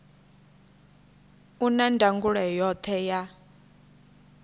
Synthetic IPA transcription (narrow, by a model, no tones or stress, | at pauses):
unandʱaŋɡuɺɛjɔt̪ʰɛja